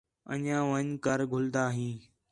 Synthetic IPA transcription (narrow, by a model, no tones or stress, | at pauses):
ə̰ɲãːʋəɲkəɾɡʱʊld̪aːɦĩː